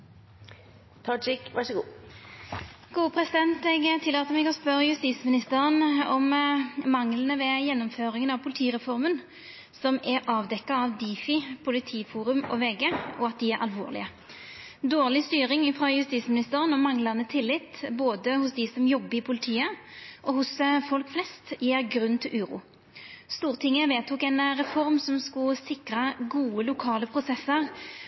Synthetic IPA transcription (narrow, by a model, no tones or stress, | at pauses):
t̪ʰɑd͡ʒɪkʋæʂɔɡuː | ɡ̥uːəpʰɾɛsɪd̪ɛnt̪ɛɡt̪ʰɪlːɑːt̪əmɛɡɔspœɾəjʉst̪iːsmɪnɪst̪əɾənɔmmɑŋlən̩əʋɛjɛnːɔmføːɾɪŋənɑʋpʰʊlɪt̪ʰiːʁɛfɔɾmən | sɔmɛɾɑːʋd̪ɛkːɑɑʋd̪iːfɪpʰʊlɪt̪ʰiːfuːɾʉmɔ̰ʋeːɡeɔɑt̪̚d̪ɪæɾʁʔɑ̰lʋo̰ːʁlɪ̰ə | d̪oːʁlɪst̪yːɾɪŋfʁɑjʉst̪iːt̪smɪnɪst̪əɾənɔmɑŋlɑnət̪ʰɪlːɪt̪ːboːd̪əhʊsd̪ɪsɔmjɔbːəɪpʰʊlɪt̪ʰiːəʔɔhʊsfɔlkflɛst̪jeːʁɡɾʉnːt̪ʰɪlʔʉːɾṵː | st̪uːʁt̪ʰɪŋːəʋeːt̪ʰuːkɛnɾɛfɔɾmsɔmskʊsɪkɾɑɡuːəlʊkʰɑːləpʰʁʊsɛsːəʁ